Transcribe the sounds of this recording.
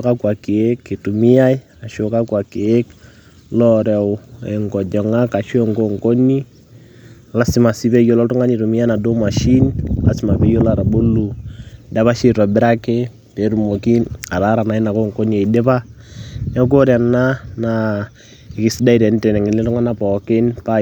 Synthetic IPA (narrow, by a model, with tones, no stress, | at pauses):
ka˦kwa˨ki˨e˦kːi˨tu˨mi˦ja˦i˦ | a˨ʃo˨ka˦kwa˨ki˨e˦k | lɔ˦ɾɛ˨wɛ˨ŋɡɔ˨d͡ʒɔ˨ŋa˦ka˨ʃŋɡo˦˨ŋko˦ni˦˨ | la˦si˦ma˨si˦bɛ˦jo˦lɔ˦tu˦ŋa˦ni˨tu˨mi˦ja˦na˨do˦ma˨ʃi˦nla̰˦sɪ˨ma˨pɛ˦jo˦la˨ɾa˨bo˦lu˨da˦βa˦ʃi˦ɾɔ˨bɪ˦ɾa˦ke˦ | te˨˦ɾu˨mo˨ki˦a˨ɾa˦ɾa˨na˨i˦na˨ko˦ŋko˦ni˦ɛ˨de˦pa˦nɛ˦k̬o˦ɾa˨nːa˦na | e˨kɪ˨si˦da˦i˨tɛ˨n˦tɛ˨nɛ˨ŋɪ˨nlɪ˦tu˦ŋa˦na˦pɔkɪ˦npa˦